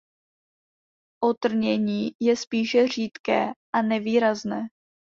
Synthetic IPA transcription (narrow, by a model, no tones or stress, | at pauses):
ʔot̪r̩ɲɛɲiːjɛspiːʃɛr̝iːt̪kɛːʔanɛviːɾaznɛː